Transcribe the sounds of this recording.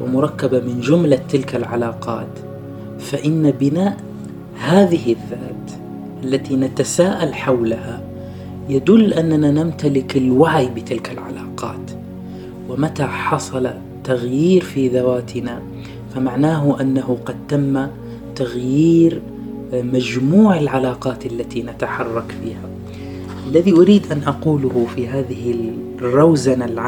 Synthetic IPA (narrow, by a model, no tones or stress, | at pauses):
wɪ̰mʊɾˤɑkːabamɪnd͡ʒʊmlat̪ːɪlkalʕalɑːqɑ̰ːt̪ | faʔɪnːabɪnaːʔ | haːðɪhɪðːaːt̪ | ʔalːat̪inat̪asaːʔalħawlaha | jad̪ʊlːʔanːananamt̪alɪkɪlwaʕjbɪt̪ɪlkalʕa̰lɑːqɑ̰ːt̪ | wɪmat̪aħɑsˤɑla | t̪ːaɣjiːɾfiðawaːt̪ʰɪna | famaʕnaːɦʊʔanːahʊqɑd̪̚t̪amːa | t̪aɣjiːɾ | mad͡ʒmuːʕɪlʕalɑːqɑːt̪alːat̪inat̪aħɑrˤːɑkfiːha | ʔalːaðiʔʊɾiːd̪ʔanʔɑquːlʊhʊfiɦaːðɪhɪ | rːˤɑwzaalʕ